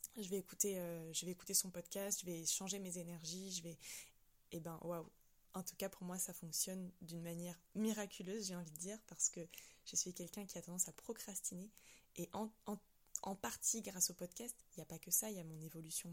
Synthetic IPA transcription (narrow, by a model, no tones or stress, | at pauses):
ʒəvɛːkut̪eøʒəvɛeku̥t̪esɔ̃pɔd̪kʲast̪ʒ̥əvɛʃɑ̃ʒemezenɛʁʒiʒəvɛ | ebɛ̃waw | ɑ̃t̪u̥kapuʁmwasafɔ̃ksjɔnd̪ynmanjɛʁmiʁakʲʰyløzʒeɑ̃vit̪d̪iːʁpaʁsə̥kəʒ̥esɥikʲɛlkʲɛ̃kʲiat̪ɑ̃d̪ɑ̃sapχɔkχast̪ineːʔɑ̃ɑ̃ | ɑ̃paʁt̪ʰiɡʁasopɔd̪kʲast̪iljapakəsailjamɔ̃nevɔlysjɔ̃